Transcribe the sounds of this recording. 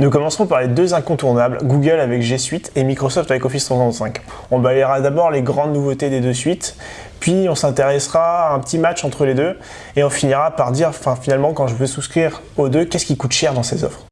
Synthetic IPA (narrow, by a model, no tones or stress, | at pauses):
nukɔmɑ̃sχɔ̃paʁled̪øzɛ̃kɔ̃t̪uʁnablɡuɡœlavɛkʒesɥit̪ʰemikχɔsɔft̪avɛkɔfiswasɑ̃t̪sɛ̃k | ɔ̃balɛʁad̪abɔʁleɡʁɑ̃d̪nuvot̪ed̪ed̪øsɥit̪ | pɥiɔ̃sɛ̃t̪eʁɛsχaːɛ̃pət̪imat͡ʃɑ̃t̪χəled̪ø | eɔ̃finiʁapaʁd̪iʁɑ̃fɛ̃finalmɑ̃kɑ̃ʒəvøsuskχiʁ | od̪økʲɛskʲikut̪ʃɛʁd̪ɑ̃sezɔ̰fχ